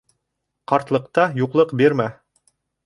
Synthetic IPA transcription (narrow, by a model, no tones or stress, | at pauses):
qɑɾt̪lˠɤ̆qt̪ɑjuqlˠɤqbiɾmæ